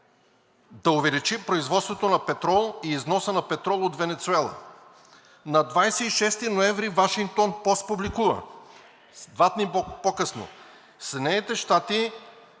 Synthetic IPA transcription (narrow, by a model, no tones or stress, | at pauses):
d̪ɐʊvɛlit͡ʃipɾoizvɔt̪st̪vot̪onɐpɛt̪ɾɔlˠiːznɔsənɐpɛt̪ɾɔlˠot̪vɛnɛt̪suɛlˠɐ̰ | nɐd̪vajsɛiʃɛst̪inoɛɱvɾivaʃiŋk̚t̪onpɔst̪̚publikuvə̰ | d̪vat̪nipokɤsno̰ | sɛd̪nɛjnit̪ɛʃt̪at̪i